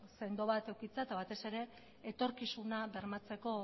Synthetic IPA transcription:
se̞nd̪o̞βat̪e̞wkit͡seat̪aβat̪e̞se̞ɾe̞ː | t̪o̞ɾkisunaβe̞ɾmat͡se̞ko̞

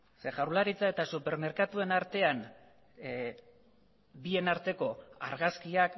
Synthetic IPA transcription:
seʝaɾlaɾit͡sae̞t̪asupe̞ɾme̞ɾkat̪ue̞naɾt̪e̞an | bie̞naɾt̪e̞ko̞a̰ɾɣaskiak

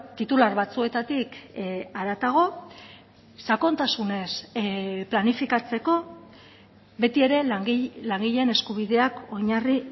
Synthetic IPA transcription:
t̪it̪ulaɾβat͡sue̞t̪at̪ikaɾat̪aɣ̞o̞ | sako̞nt̪asune̞splanifikat͡se̞ko̞ | βe̞t̪ie̞ɾe̞ŋilaŋɡiʎe̞ne̞skuβ̞iðe̞ako̞ɲari

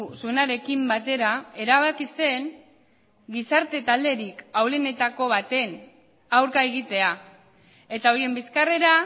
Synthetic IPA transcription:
suenaɾe̞kimbat̪e̞ɾae̞ɾaβ̞akise̞n | ɡisaɾt̪e̞t̪ald̪e̞ɾikawlene̞t̪ako̞βat̪e̞n | awɾkae̞ɣ̞it̪e̞a | e̞t̪ao̞ɾie̞mbiskare̞ɾa

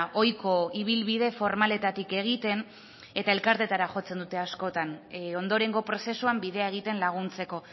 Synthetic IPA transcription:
ʔo̞jko̞iβ̞ilβiðe̞fo̞ɾmale̞t̪at̪ike̞ɣ̞it̪e̞n | e̞t̪ae̞lkaɾt̪e̞t̪aɾaxo̞t͡se̞nd̪ut̪e̞asko̞t̪ano̞nd̪o̞ɾe̞ŋɡo̞pɾo̞se̞suambiðe̞ae̞ɣ̞it̪e̞nlaɣ̞unt͡se̞ko̞

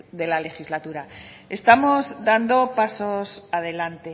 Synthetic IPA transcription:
ðe̞lale̞xizlat̪uɾae̞st̪amo̞zðand̪o̞pasosaðe̞lant̪e̞

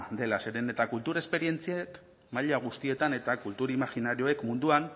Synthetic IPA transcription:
d̪e̞lase̞ɾene̞t̪akult̪uɾe̞spe̞ɾie̞nt͡siek | maʎaɣ̞ust̪ie̞t̪ane̞t̪akult̪uɾimaxinaɾio̞e̞kmund̪uan

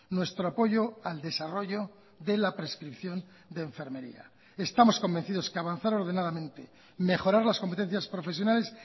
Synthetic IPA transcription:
nwe̞st̪ɾoapo̞ʝo̞ald̪esaro̞ʝo̞ | ðe̞lapɾe̞skɾipθjo̞n | d̪eːɱfe̞ɾme̞ɾḭa̰ | est̪amo̞sko̞mbe̞nθiðo̞skeaβan̟θaɾo̞ɾð̞e̞naðamẽ̞nt̪e | me̞χo̞ɾaɾlasko̞mpe̞t̪e̞n̟θjaspɾo̞fe̞s̬jo̞nale̞s

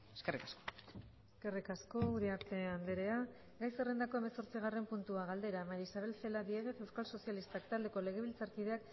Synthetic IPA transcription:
eskerikasko̥ | eske̞rikasko̞uɾiaɾt̪e̞and̪eɾe̞a | ɡajsere̞nd̪ako̞e̞meso̞ɾt͡siɣ̞are̞mpunt̪uaɣald̪e̞ɾamaɾisaβ̞e̞lθe̞lad̪ieɣ̞e̞θe̞wskalso̞sialist̪akt̪ald̪e̞ko̞le̞ɣ̞e̞βilt͡saɾkiðe̞ak

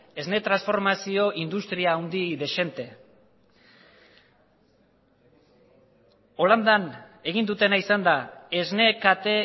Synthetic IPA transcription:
e̞zne̞t̪ɾansfo̞ɾmasio̞ʔind̪ust̪ɾiaːwnd̪iðe̞ʃe̞nt̪e̞ | o̞land̪ane̞ɣ̞ind̪ut̪e̞naisand̪ae̞zne̞kat̪e̞

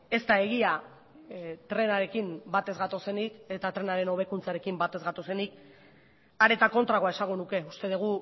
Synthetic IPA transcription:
e̞st̪ae̞ɣ̞ia | t̪ɾe̞naɾe̞kimbat̪e̞zɣat̪o̞se̞nike̞t̪at̪ɾe̞naɾe̞no̞β̞e̞kunt͡saɾe̞kimbat̪e̞zɣat̪ose̞nik̚ | aɾe̞t̪ako̞nt̪ɾaɣoae̞saŋɡonuke̞ust̪e̞ð̞eɣ̞u

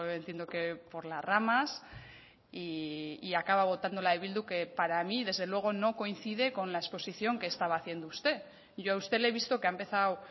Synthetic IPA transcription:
ent̪je̞nd̪okepo̞ɾlaramas | iːakaβaβ̞o̞t̪and̪o̞laðeβild̪uke̞paɾamiðe̞zðe̞lwe̞ɣ̞o̞no̞ko̞inθiðe̞ko̞nlaespo̞siθjo̞ŋke̞ːst̪aβ̞aːθje̞nd̪oust̪e̞ | ʝo̞aust̪e̞le̞β̞ist̪o̞ke̞aempe̞θaw

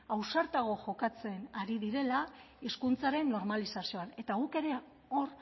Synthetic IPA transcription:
awsaɾt̪aɣ̞o̞ʝo̞kat͡se̞naɾiðiɾe̞la | iskunt͡saɾe̞nːo̞ɾmalisasio̞ane̞t̪aɣuke̞ɾe̞ | oɾ

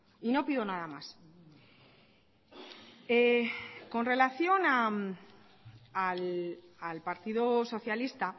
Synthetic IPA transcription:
ino̞piðo̞naðamas | eko̞nre̞laθjo̞na | alalpaɾt̪iðoso̞θjalist̪a

